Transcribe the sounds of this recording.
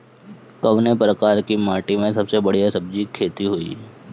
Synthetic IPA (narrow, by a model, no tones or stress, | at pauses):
kɐʋnepɾəkaːɾkimaːʈimẽsɐbsebɐɽijasɐb̚d͡ʒikʰeːt̪iɦoḭ